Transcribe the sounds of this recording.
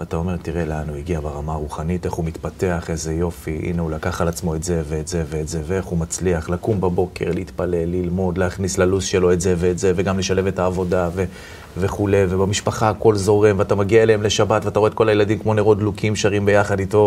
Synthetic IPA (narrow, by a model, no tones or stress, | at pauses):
at̪ao̞me̞ʁtiʁe̞lanuiɡiabaʁamaʁuχanite̞χhumitpate̞aχe̞ze̞jo̞fiʔḭneulakaχalat͡smo̞e̞tze̞ve̞ːtze̞veːtze̞veeχumat͡sliaχlakumbabo̞kʰe̞ʁleit̪pale̞lːilmo̞d̪leaχnislalusʃelo̞e̞tzeveːtzeve̞ɡamle̞ʃaleve̞taːvo̞dave | ve̞χule̞jvebamiʃpaχaːko̞lzo̞ʁemveatamaɡiaeleemle̞ʃabatveataʁoet̚ko̞lajeladimkmo̞niʁod̪lukimʃaʁimbe̞jaχad̪ito̞